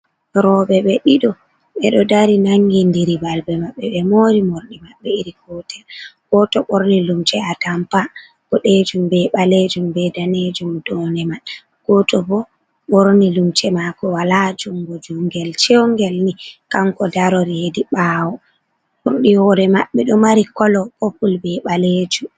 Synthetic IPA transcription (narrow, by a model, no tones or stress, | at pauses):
ɾɔɓɛɓɛɗiɗɔ | ɓɛɗɔdaɾinaŋɡindiɾibalbɛmaɓːɛɓɛmoɾimoɾɗimaɓːɛiɾikɔtɛlɡ̥ɔtɔɓoɾnilumt͡ʃɛatampa | ɡ̥ɔɗed͡ʒumbɛɓaled͡ʒumbɛdaned͡ʒumdɔnɛman | ɡ̥ɔtɔbɔ | ɓoɾnilumt͡ʃɛmakɔwalad͡ʒumɡod͡ʒuŋɡɛlt͡ʃewŋɡɛlnikamkɔdaɾɔɾihediɓaːwɔ | muɾɗiwɔɾɛmaɓːɛɗɔmaɾikɔlɔpopulbɛɓaled͡ʒum